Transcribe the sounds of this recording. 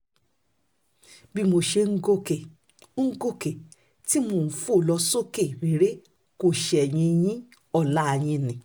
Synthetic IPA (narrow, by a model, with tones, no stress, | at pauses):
bi˦˧mo˧ʃe˧ŋ̩˦ɡo˦ke˨ | ŋ̩˦ɡo˦˨ke˨ | ti˦mo˨fo˦˨lɔ˧so˦ke˦˨ɾe˨ɾe˦ | ko˦˨ʃe˨ɛ˨j̃ĩ˧j̃ĩ˦ | ɔ˦˨la˦a˧˨j̃ĩ˧nĩ˨